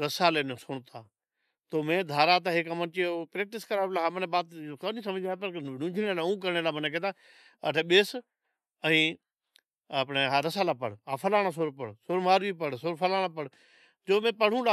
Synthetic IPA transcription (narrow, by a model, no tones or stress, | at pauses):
ɾəsaːleːnoːsʊɳt̪aː | t̪oːmẽːd̪ʱaːɾaːt̪aːɦekəmənt͡ʃeːpɾeːk̚ʈɪskəɾaːlaːɦamənẽːbaːt̪ːkənĩːs̬əmd͡ʒaːpəɾnũːd͡ʒʱneːlaːũːk̬əɾɳeːlaːməneːk̬ẽːt̪aː | ə̰ʈʰeːɓeːs | əĩː | əpɳeːɦaɾəsaːlaːpəɽ̤aːfʰəlaːɽ̃aːs̬oːɾpəɽsoːɾmaːɾʋiːpəɽsoɾfʰəlaːɽ̃aːpəɽ | d͡ʒoːmẽːpəɽ̤ũːla